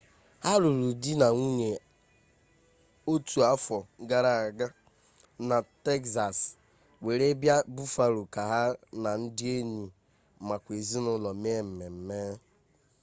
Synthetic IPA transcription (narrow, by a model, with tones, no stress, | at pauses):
ha˦ɾu˨ɾu˨di˦na˨ŋu˦ɲe˨ | o˦tu˨a˦fɔ˨˦ɡa˦ɾa˨a˨ɡa˦ | na˨te˦ksa˨s | we˨ɾe˦bja˦bu˦fa˨ɾu˨ka˨ɦa˦na˨n̩˦dɪ˦e˦ni˨ | ma˨kʷe˨zi˦nʊ˦lɔ˨m˦e˦m̩˨me˨m̩˦me˦